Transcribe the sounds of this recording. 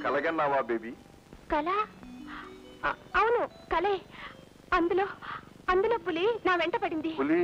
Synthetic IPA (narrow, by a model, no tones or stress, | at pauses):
kɐlɐɡɐnːaːʋaːbeːbi | kɐlɐ | ɐwunu | kɐle | ɐnd̪uloː | ɐnd̪uloːbulinaːʋeɳʈɐpɐɽind̪iuli